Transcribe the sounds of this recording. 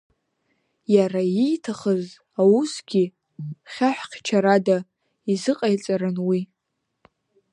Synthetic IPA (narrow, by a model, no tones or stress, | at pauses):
jaraijtʰaχəz | awusɡʲi | χʲaħʷᶣqʲt͡ʃʰaɾada | izɨqʼajt͡sʼaɾɨnwi